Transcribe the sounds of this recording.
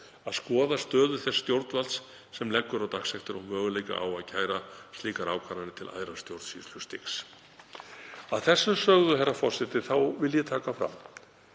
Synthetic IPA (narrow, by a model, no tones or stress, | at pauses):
aðskɔːðast̪œːðʏθɛsːt̪jowɾt̪nvalsː | ɛmlɛkːʏɾawt̪axsɛxt̪ɪɾɔmœːɣʏlejka̰ʔa̰waðcʰaːjɾast̪liːkaɾaːwkʰaɾanɪt̪ʰɪlʔa̰ːðɾḁst̪jowɾt̪sislʏst̪ɪks | aðθɛsːʏsœɣðʏɦɛrːafɔr̥sɪt̪ɪθawvɪlːjɛt̪ʰaːkafɾa̰m